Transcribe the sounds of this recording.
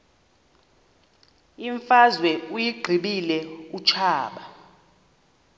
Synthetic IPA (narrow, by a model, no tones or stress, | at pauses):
iɱfazwɛujiɡ͡ǀʱiɓilɛut͡ʃʰaːɓa